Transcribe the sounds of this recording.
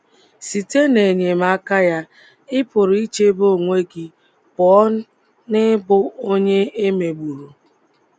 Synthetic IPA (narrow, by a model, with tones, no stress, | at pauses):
si˨te˦ne˨ɲe˨ma˦ka˦ja˦ | ɪ˦pʊ˨ɾi˦t͡ʃe˦bo˦˨ŋʷe˦ɡi˨ | bɔ˨ɔ˦ | nɪ˦bʊ˦o˦ɲe˦e˦me˨ɡ͡bu˨ɾu˨